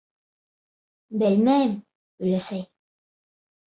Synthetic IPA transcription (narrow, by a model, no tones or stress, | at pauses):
bælmæm | ɵ̆jlæsæj